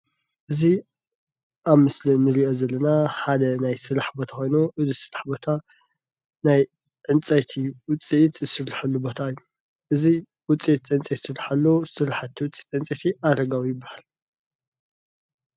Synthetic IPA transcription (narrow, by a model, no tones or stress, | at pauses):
ʔɨzi | ʔaβmɨslinɨɾiʔo̞zɐlːɐnaħad̪ɐnajsɨɾaħbot̪ʰaxʰʷo̞jnoʔɨzisɨɾaħbo̞t̪ʰa | naj | ʕɨnt͡sʼɐt̪ʰiwʊt͡sʼit̪ʼzɨsɨɾiħalːubo̞t̪ʰaɨjːu | ʔɨzi | wʊt͡sʼit̪ʔɨnt͡sʼet̪sɨɾaħalːosɨɾaħat̪ʰːiwʊt͡sʼi̥t̪ʕɨnt͡sʼet̪ʰiʔaɾɐɡawijɪbːahal